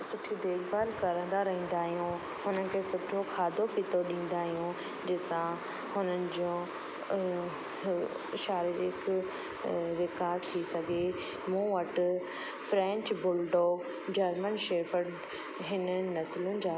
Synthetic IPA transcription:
sʊʈʰid̪eːɡbaːlkɐɾə̃nd̪aɾɐɦĩːn̆d̪aːɦijũ | hʊnəkʰeːsʊʈʰokʰaːd̪ʱopit̪oɗĩːn̆d̪aːɦijũ | d͡ʑɪsã | hʊnənɪ̆d͡ʑõː | ɪʃaːɾɪɾɪk | ʋɪkaːst̪ʰisɐɡʱe | mũʋɐʈʊ | fɾɛ̃ːɲt͡ɕbʊlɖoːɡ | d͡ʑɐɾmənʃeːfəɖ | ɦɪnənɐslʊnɪ̆d͡ʑaː

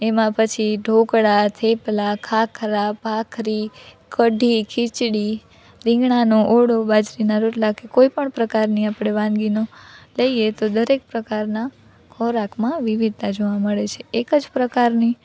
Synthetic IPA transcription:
emãpət͡ʃʰiɖʱokɽat̪ʰeplakʰakʰɾapakʰɾi | kəɖʱikʰit͡ʃɽi | ɾɪ̃ŋɡɳanoʔoɽobad͡ʒɾinaɾoʈlakekoipəɳpɾəkaɾniapɽ̃eʋãnɡinoləiet̪od̪əɾek̚pɾəkaɾna | kʰɔɾakmãʋiʋid̪̚t̪ad͡ʒoʋaməɭet͡ʃʰeekəd͡ʒpɾəkaɾni

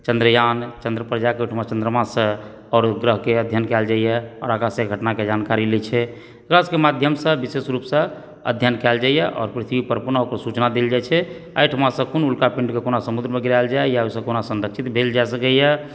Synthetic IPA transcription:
t͡ʃənd̪ɾəjant͡ʃə̃nd̪ɾəpɾəd͡ʒakeoʈʰmat͡ʃənd̪ɾəmasə̃ | ɔːɾɡɾəɦkeəd̪ʱjənkɛld͡ʒaijɛɔ̰ɾakasẽɡʱəʈnaked͡ʒankaɾilet͡ʃʰɛ | kɾəskemad̪ʱjəmsə̃bisesɾupsə̃ | ə̰d̪ʱjənkɛld͡ʒajɛʔɔ̰ːɾpɾit̪ʰibipəɾpunaokəɾsut͡ʃnad̪eld͡ʒajt͡ʃʰɛə̰jʈʰəmãsə̃kunulkapĩɳɖkekonasəmud̪ɾəmeɡiɾald͡ʒajasə̃konasənɾəksʰit̪bʱeld͡ʒajsəkəjɛ

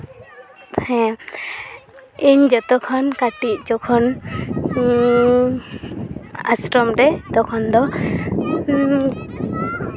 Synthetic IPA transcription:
ɛ̃ | iɲd͡ʒɔt̪ɔkʰɔnkaʈit̚d͡ʒɔkʰɔn | a̰sʈɾɔmɾɛd̪ɔkʰɔnd̪ɔ

